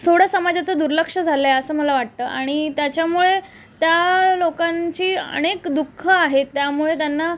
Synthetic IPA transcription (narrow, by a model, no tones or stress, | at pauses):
sʰoɽ̤asəmad͡ʑat͡səd̪uɾləkʂəd͡zʱaleəsəːməlaʋaʈ̚t̪əːʔaɽ̃it̪jat͡ɕjamuɭe | t̪jalokãnt͡ɕiːə̰ɽ̃ekd̪ukʰːəaɦet̪ːjamuɭet̪janːa